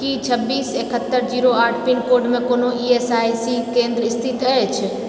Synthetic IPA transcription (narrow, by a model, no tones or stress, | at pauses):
kit͡ʃʰəbːiːseːkət̪ːəɾd͡ʒiːɾoaːʈʰpinkoɾɖmẽkoːnoiesajsikẽnd̪ɾəist̪ʰit̪ɛɛt͡ʃʰ